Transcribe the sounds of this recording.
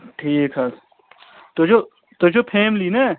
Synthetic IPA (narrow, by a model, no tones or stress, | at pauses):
ʈʰiːkɦɐs | t̪od͡ʒo | t̪od͡ʒopʰeːmliːne